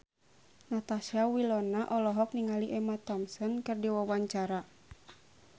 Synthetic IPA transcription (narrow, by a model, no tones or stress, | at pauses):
nat̪aʃawilɔnaʔɔlɔɦɔk̚niŋaliʔɛmat̪ɔmsɔnkɨrdiwawaɲt͡ʃaɾa